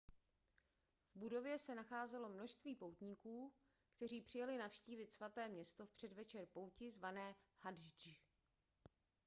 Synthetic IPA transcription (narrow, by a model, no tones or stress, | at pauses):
vbudo̞vjɛsɛnaxaːzɛlo̞mno̞ʃst̪viːpo̞wt̪ɲɪkuː | kt̪ɛr̝iːpr̝̥ɪjalɪnafʃciːvɪt̪svat̪ɛːmɲɛst̪ofpr̝̥ɛdvɛt͡ʃɛrpo̞wcɪzvanɛːhadʒd͡ʒɪ